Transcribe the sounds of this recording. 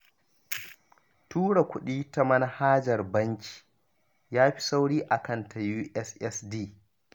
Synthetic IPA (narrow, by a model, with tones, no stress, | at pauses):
tuː˦ɽa˨kʷʊ˦ɗiː˦ta˦mɐ˦na˦haː˦d͡ʒɐ˨rbɐ˦ŋkʲi̥˨ | jaː˦ɸi̥˦sa˦wɽiː˦ʔa˨kɐ˦˨ntʰa˨juː˦ʔɛ˦sʔɛ˦sdiː˦